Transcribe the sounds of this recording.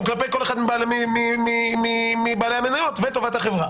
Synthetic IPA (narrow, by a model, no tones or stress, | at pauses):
klape̞jkole̞χad̪mibaːlemimimimimibaːle̞jamenajo̞t̪vet̪o̞vat̪haχevʁa